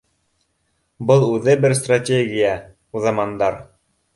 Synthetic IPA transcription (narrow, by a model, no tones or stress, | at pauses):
bɤlˠʉðɘbɘɾst̪ratʲeɡʲija | uðɑmɑnd̪ɑɾ